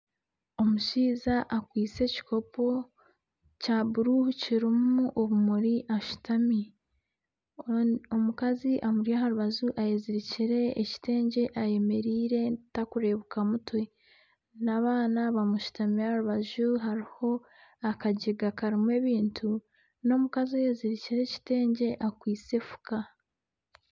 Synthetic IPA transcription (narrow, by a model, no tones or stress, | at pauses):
o̞muʃiːzaʔakwiːt͡se̞ci̥ko̞po̞ | cabuɾuhuciɾimuʔoβumuɾiʔaʃu̥tami | o̞mukaziʔamuɾiaɦaɾuβaʒuʔajeziɾiciɾe̞ːci̥te̞ːɲɟe̞ʔaje̞me̞ɾiːɾe̞takuɾe̞βukamutwe̞ | naβaːnaβamuʃu̥tamiahaɾuβaʒuɦaɾiho̞ | akaɟiɡakaɾimwe̞ːβiːntʰu | no̞mukaziaje̞ziɾiciɾe̞ci̥te̞ːɲɟe̞ʔakwiːt͡se̞fu̥ka